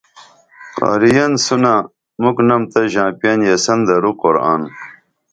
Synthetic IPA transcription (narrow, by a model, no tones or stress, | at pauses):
qɑ̰ːɾijɐnsuna | muknɐmt̪ɐʑãːpijɐnjɐsɐnd̪ɐɾuqoɾa̰ːn